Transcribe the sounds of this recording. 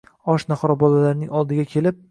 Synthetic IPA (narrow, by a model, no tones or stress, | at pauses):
ɒʃnaχɒɾɒbɒlalaɾnɪŋɒlˠd̪ɪɡʲakʲʰe̞lɪp̚